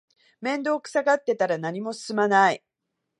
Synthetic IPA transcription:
mẽ̞nd̪o̞ːkɯ̥saɡat̪ːe̞t̪aɾanaɲ̟imo̞sɨ̥sɨmanai

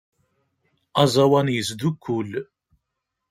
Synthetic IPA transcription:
ɑzˤɑwænjəsd̪ukʰːul

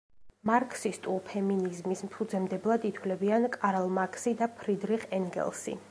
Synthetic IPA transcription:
maɾkʰʼsist̪ʼulpʰɛminizmismpʰud̪zɛmd̪ɛblˠad̪it̪ʰwlɛbiankʼaɾalˠmakʰsid̪apʰɾid̪ɾiχɛŋɡɛ̰lˠsḭ

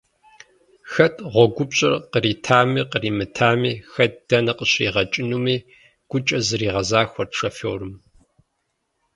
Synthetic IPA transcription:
xɐtʼʁʷɔɡʷʊpɕʼɪ̰rqəɾiːtʰaːmiːqəriːmɨtʰaːmiːxɐt̚ʰd̥ɐnɐqəɕrḭːʁɐt͡ʃʼɪnumiː | ɡ̥ʷʊt͡ʃʼɐzɨɾiːʁɐzaːxʷɔrʂɐfowrɨm

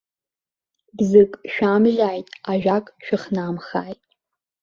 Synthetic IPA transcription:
bzɨkʼʃᶣamʒaːjtʼaʒᶣakʼʃᶣɪχnamχaːjtʼ

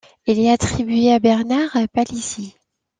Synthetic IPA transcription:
ɛlɛat̪χibɥeabɛʁnaʁapalisi

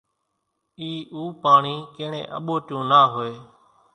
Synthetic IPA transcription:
iːʔuːpaːɳiːkẽːɳḛ̃ːʔəɓoːtjũːnaːɦoːeː

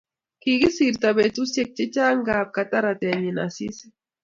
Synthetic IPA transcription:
kiɣisiɾt̪abet͡susjek̚t͡ʃet͡ʃaːŋɡaːp̚kat̪aɾat̪eaɲena̰sis

